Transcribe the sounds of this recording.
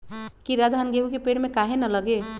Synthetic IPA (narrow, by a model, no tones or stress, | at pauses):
kiɾad̪ɦanɡeɦukepeɽmekaɦenʌlʌɡe